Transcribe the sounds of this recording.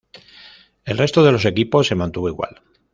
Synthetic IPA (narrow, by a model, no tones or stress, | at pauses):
e̞lre̞st̪o̞ðe̞lo̞s̬e̞kipo̞sːe̞mãnt̪uβo̞iɣwa̰l